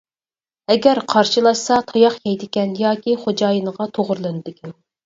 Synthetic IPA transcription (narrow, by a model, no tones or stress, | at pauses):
ɛɡʲɛɾqʰɑɾʃɨlˠɑʃsɑt̪ʰɑjɑχjɛjd̪ɪkʲɛnjɑːkʲiχod͡ʒɑːjɨnəʁɑt̪ʰoʁʊɾlˠɨnɨd̪ɪkʲʰɛn